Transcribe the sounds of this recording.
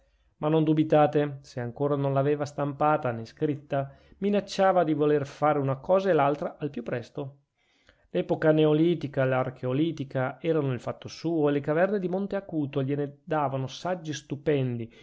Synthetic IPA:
manːond̪ubit̪aːt̪eseaŋkoːɾanõnlaveːvast̪ampaːt̪aneskɾit̪ːa | minat͡ʃːaːvad̪ivolerfaːɾeunakɔːzaelalt̪ɾaʔalpjupːɾɛst̪o | lɛːpokaneoliːt̪ikalark̟ʰeoliːt̪ikaɛːɾanoilfat̪ːosuːoelekavɛrned̪imont̪eakuːt̪oʎened̪aːvanosad͡ʒːist̪upɛnd̪i

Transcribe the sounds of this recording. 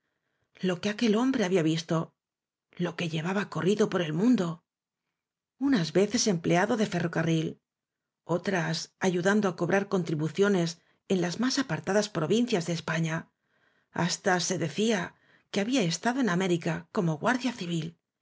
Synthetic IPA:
lo̞ke̞ake̞lo̞mbɾe̞aβiaβist̪o̞ | lo̞ke̞ʝe̞β̞aβako̞riðo̞po̞ɾe̞lmũnd̪o̞ | unazβe̞θe̞se̞mpleaðo̞ðe̞fe̞ro̞karil | o̞t̪ɾasaʝuðand̪oako̞βɾʔaɾko̞nt̪ɾiβuθjo̞ne̞s | e̞nlazmasapaɾt̪aðaspɾo̞βin̟θjazðe̞ːspaɲa | a̰st̪ase̞ðe̞θia | ke̞aβiae̞st̪aðo̞e̞name̞ɾikako̞mo̞ɣwaɾðjaθiβ̞il

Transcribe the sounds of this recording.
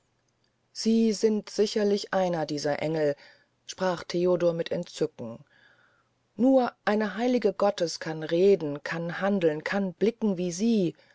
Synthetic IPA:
z̥iːzɪntz̥ɪçɐlɪçʔaɪnɐdiːzɐʔɛŋl̩ | ʃpʁ̥aːχtʰeːodoːɐmɪtʰɛntt͡sʏkŋ̩ | nuːɐʔaɪnəɦaɪlɪɡəɡɔtəskʰanʁeːdn̩kʰanhandl̩nkʰanb̥lɪkŋ̩viːziː

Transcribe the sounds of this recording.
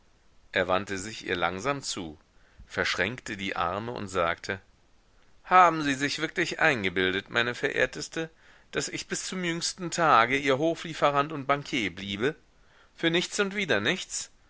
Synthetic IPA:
ʔeːɐvantəzɪçʔḭːɐla̰ŋzaːmt͡sṵː | fɛɐʃʁ̥ɛŋktədiːʔa̰ɐməʔʊ̰ntz̥aːktʰə | haːbm̩ziːzɪçv̥ɪɐklɪçʔa̰ɪnɡəbɪldətmʔa̰ɪnəfɛɐʔḛːɐtʰəstə | d̥asɪçb̥ɪst͡sʊmjʏŋstn̩tʰaːɡəʔiːɐɦoːfliːfəʁantʊnt̚b̥aŋkʰjeːbliːbə | fyːɐnɪçt͡sʊntv̥iːdɐnɪçt͡s

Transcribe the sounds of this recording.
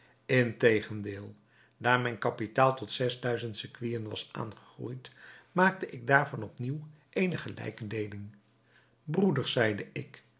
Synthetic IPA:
ɪntejχəndɪːlˠ | daːɹmɛjnkɑpitaːlˠtɔtsɛzdœɥzəntsɪkʋijənʋɑ̰sʔa̰ːnχə̥χrṵjtmaːk̚təʔɪɡ̚daːɹvɑnɔpniw | ʔejnəχəlɛ̰jkədejlɪŋ | brudəɹsɛjdəʔɪk

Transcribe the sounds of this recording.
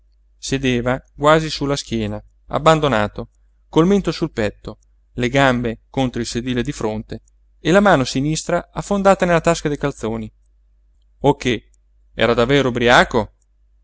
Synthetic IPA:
sed̪eːvaɡwaːzisulːask̟jɛːna | a̰bːand̪onaːt̪o | kolment̪osulpɛt̪ːo | leɡambekont̪ɾoilsed̪iːled̪ifɾont̪eː | lamaːnosinist̪ɾaafːond̪aːt̪anelːat̪askad̪ejkalt̪soːni | okːe | ɛ̰ːɾad̪avːeːɾobɾiaːko

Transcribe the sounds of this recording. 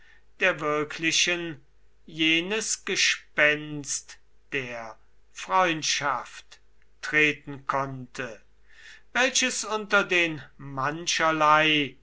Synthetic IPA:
d̥eːɐvɪɐkʰlɪʃən | jeːnəsɡ̥əʃpɛnst | d̥eːɐ | fʁ̥ɔʏ̃ntʃaftː | ʁ̥eːtn̩kʰɔntʰə | vɛlʃəsʊntɐdeːnmanʃɐlaɪ

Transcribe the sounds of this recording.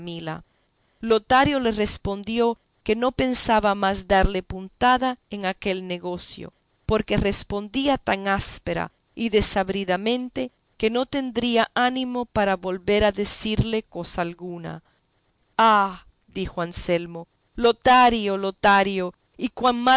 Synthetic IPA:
mila̰ | lot̪aɾjo̞le̞re̞spo̞nd̪jo̞ | ke̞no̞pe̞nsaβamazd̪aɾle̞punt̪aðaeŋake̞lne̞ɣo̞sjo̰ | po̞ɾke̞re̞spo̞nd̪iat̪aŋaspeɾa̰ | iðe̞saβɾiðamẽ̞nt̪e̞ | ke̞no̞t̪e̞nd̪ɾiaʔanĩmo̞paɾaβo̞lβe̞ɾaðesiɾle̞ko̞saːlɣuna̰ | a | d̪ixoanselmo̞ | lot̪aɾjolot̪aɾjo | ikwaŋma

